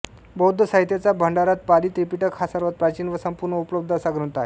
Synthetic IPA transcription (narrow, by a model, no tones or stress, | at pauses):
bəud̪ʱəsaɦit̪jat͡sabʱəɳɖaɾat̪̚paliːt̪ɾipiʈəɾkʰasəɾʋət̪̚pɾat͡ɕiːnʋəsəmpuɾɳəupləb̚d̪ʱəsaɡɾunt̪ae